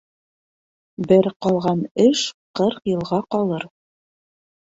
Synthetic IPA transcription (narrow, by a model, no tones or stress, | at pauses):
bɘɾqɑlˠʁɑnɘʃqɤɾqjɤ̆lˠʁɑqɑlˠɤɾ